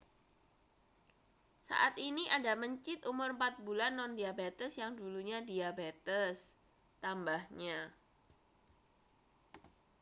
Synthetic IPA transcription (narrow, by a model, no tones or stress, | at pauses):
sa̰ʔat̪iniʔadaməɲt͡ʃɪt̪umʊrəmpat̪̚bulanːɔndiabet̪əsjaŋduluɲadiabet̪əs | t̪ambahɲa